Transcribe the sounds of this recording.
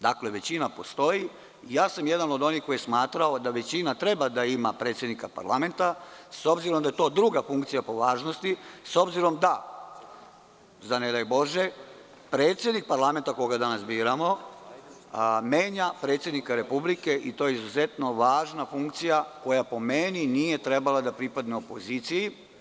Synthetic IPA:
d̪akle̞ʋe̞t͡ɕinapo̞st̪o̞ji | ijaːsamjed̪anod̪o̞nixkojesmaːt̪ɾaod̪aʋe̞t͡ɕinat̪ɾe̞bad̪aimapɾe̞ːt̪sje̞d̪nikapa̰ɾlˠa̰me̞nt̪aso̞bziɾomd̪ajet̪o̞ːd̪ɾuɡafuŋk̚t̪sijapo̞ʋaːʒnost̪iso̞bziɾo̞md̪a | zaned̪ajubo̞ʒe | pɾe̞ːt̪sʲje̞d̪nik̚paɾlˠame̞nt̪akojoɡad̪anasbiːɾamo̞ | me̞ːɲapɾe̞ːt̪sjed̪nikaɾe̞publike̞ʔit̪o̞ːjeizuzet̪no̞ʋaːʒnafuŋkt̪sijako̞japo̞meninije̞t̪ɾe̞balad̪apɾipad̪neopo̞ziːt̪siji

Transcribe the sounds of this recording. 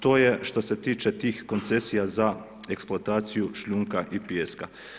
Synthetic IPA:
t̪oːjeʃt̪oset̪iːt͡ʃɛt̪iːxkont̪sesijaza | eksplˠoat̪aːt̪sijuʃʎuŋkaʔipjeska

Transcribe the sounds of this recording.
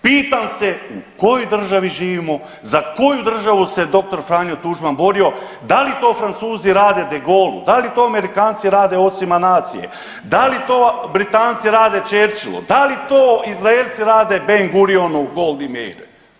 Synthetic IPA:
piːt̪amseṵko̞jojd̪r̩ʒaʋiʒiːʋimo̞ | zako̞jud̪r̩ʒaʋuse̞d̪o̞k̚t̪o̞ɾfɾaːnjot̪uʒmanbo̞ɾio̞ | d̪alit̪o̞ːfɾant̪suːziɾaːd̪ed̪eɡo̞ːlṵd̪alit̪o̞ːame̞ɾikaːnt̪siɾaːd̪eo̞t̪simanaːt̪sḭjḛ | d̪alit̪o̞ːbɾit̪aːnt̪siɾaːd̪et͡ʃeːɾt͡ʃilṵd̪alit̪oːizɾaelʲt̪siɾaːd̪ebeŋɡuɾionuɡolˠd̪imḛjɾ

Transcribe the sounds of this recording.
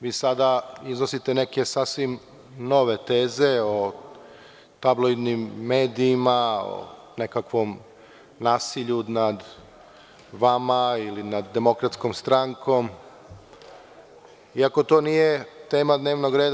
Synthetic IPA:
ʋiːsad̪aiznosit̪e̞ne̞ke̞sasʋim | no̞ʋe̞t̪eːze̞o | t̪abloid̪nimːe̞ːd̪iːmao̰ | ne̞kakʋo̞m | naːsiʎunad̪ | ʋamailinad̪ːe̞mo̞kɾat̪sko̞mst̪ɾaŋkʰo̞m | iako̞t̪o̞ːnijet̪e̞ːmad̪ne̞ːʋno̞ɡɾe̞ːd̪

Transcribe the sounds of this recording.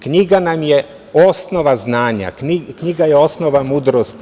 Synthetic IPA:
kɲiɡanamje | o̞snoʋaznaːɲa̰kikɲiɡajeo̞snoʋamuːd̪ɾost̪

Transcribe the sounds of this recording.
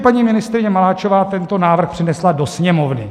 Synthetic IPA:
paɲiːmɪnɪst̪ɾɪɲɛmalaːt͡ʃovaːt̪ɛnt̪o̞naːvr̩xpr̥ɪnɛslado̞sɲɛmovnɪ

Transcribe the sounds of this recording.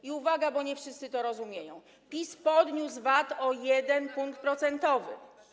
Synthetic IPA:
iuvaɡabɔɲɛfʂɘst̪sɘt̪ɔɾɔzumʲjejɔ̃w̃ | pʲispɔd̪ɲusvat̪ɔjɛd̪ɛnpuŋkt̪̚pɾɔt̪sɛnt̪ɔvɘ̰

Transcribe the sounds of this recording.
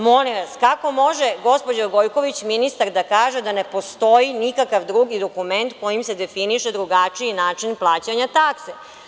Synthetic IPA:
mo̞liʋaskako̞mo̞ʒeɡo̞spod͡ʑoɡo̞jko̞ʋit͡ɕminist̪aɾd̪akaːʒed̪ane̞po̞st̪o̞jinikakaʋd̪ɾuːɡid̪o̞kume̞nt̪ko̞jimse̞d̪e̞finiʃed̪ɾuɡat͡ʂijinaːt͡ʂinplˠaːt͡ɕaɲat̪akse

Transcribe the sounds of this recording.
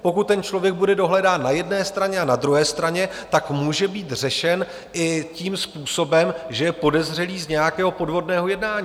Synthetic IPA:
po̞kut̪̚ːɛnt͡ʃlo̞vjɛɡ̚budɛdo̞ɦlɛdaːnnajɛdnɛːst̪ɾaɲɛanad̪ɾuɦɛːst̪ɾaɲɛt̪akmuːʒɛbiːt̪r̝ɛʃɛn | ʔɪciːmspuːso̞bɛmʒɛjɛpo̞dɛzr̝ɛliːzɲɛjakɛːɦo̞po̞dvo̞dnɛːɦo̞jɛdnaːɲiː

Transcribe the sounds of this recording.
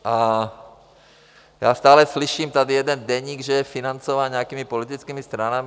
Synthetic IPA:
ʔa | ja̰ːst̪aːlɛsliʃiːmt̪ad̪ijɛd̪ɛnd̪ɛɲiːɡʒɛjɛfinant͡sɔʋaːnɲɛakiːmipɔlit̪it͡skiːmist̪ɾanam

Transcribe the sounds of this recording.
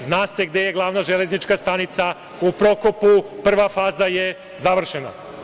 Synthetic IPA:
znaːse̞ɡd̪e̞jeɡlˠaʋnaʒele̞znit͡ʃkast̪anit̪sa | upɾo̞kopupr̩ʋafaːzaje | zaʋr̩ʃena̰

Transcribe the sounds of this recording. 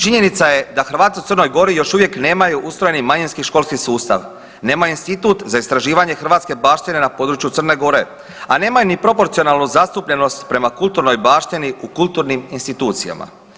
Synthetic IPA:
t͡ʃiɲe̞nit̪saje̞d̪axr̩ʋaːt̪iut̪sərno̞jɡo̞ɾijo̞ʃuʋje̞kne̞ːmajuʔust̪ɾo̞jenimaɲinskiʃko̞lˠskisuːst̪a̰ʋ | ne̞ːmajuinst̪it̪ut̪zaist̪ɾaʒiːʋaɲe̞xr̩ʋaːt̪ske̞baːʃt̪ine̞napo̞ːd̪ɾut͡ʃjut̪sər̩ne̞ɡo̞ɾe̞ | ane̞ːmajunipɾo̞po̞ɾt̪io̞naːlˠnuzast̪upʎe̞no̞st̪pɾe̞makult̪uɾno̞jbaːʃt̪iniukulˠt̪uːɾniminst̪it̪uːt̪sija̰ma̰

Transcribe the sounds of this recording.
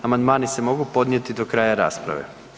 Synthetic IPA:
amand̪maːnise̞mo̞ɡupo̞d̪njet̪id̪o̞kɾaːjaɾa̰ːspɾa̰ʋḛ

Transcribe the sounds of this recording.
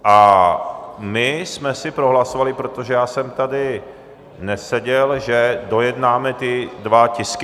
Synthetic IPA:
ʔa | mɪsmɛsɪpɾo̞ɦlasovalɪpɾo̞t̪o̞ʒɛjaːsɛmt̪adɪ | nɛsɛɟɛlʒɛdo̞jɛdnaːmɛt̪ɪdvacɪskɪ

